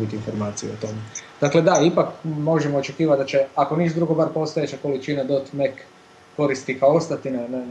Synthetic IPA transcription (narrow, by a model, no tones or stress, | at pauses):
bit̪iinfo̞ɾmaːt̪sijuot̪o̞med̪akle̞d̪aipakmo̞ʒemoːt͡ʃe̞kiːʋat̪d̪at͡ʃeakonit͡ʃd̪ɾuɡobaɾpo̞st̪ojet͡ʃako̞lit͡ʃinad̪ot̪mekː | o̞ɾist̪ikaoo̞st̪at̪inene